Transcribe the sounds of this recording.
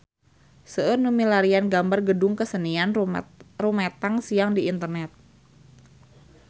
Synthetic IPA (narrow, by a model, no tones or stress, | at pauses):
səənumilaɾianɡambarɡədʊŋkəsənianrumet̪aŋsiaŋdiːnt̪ərnɛt̪̚